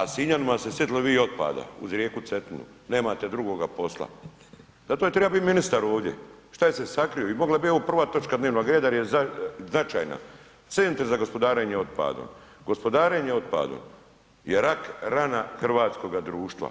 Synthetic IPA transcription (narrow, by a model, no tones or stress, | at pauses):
asiɲanimasesjet̪iloʋiːo̞t̪̚pa̰ːd̪a̰ṵzɾjeːkut̪set̪inṵ | ne̞ːmaːt̪ed̪ɾuɡo̞ɡapo̞slˠa̰ | zat̪ojet̪ɾebabit̪minist̪aɾo̞ːʋd̪je̞̰ | ʃt̪ajese̞sakɾijoimo̞ɡlˠabio̞ʋopr̩ʋaːt̪o̞t͡ʃkad̪neʋnoɡɾeːd̪ajeaznat͡ʃa̰ːjna̰ | t̪sent̪ɾzaɡo̞spo̞d̪aːɾeɲeo̞t̪pa̰ːd̪ṵmɡo̞spo̞d̪aːɾeːɲeo̞t̪pa̰ːd̪ṵ | jeɾakɾanaxr̩ʋaːt̪sko̞ɡad̪ɾuːʃt̪ʋa̰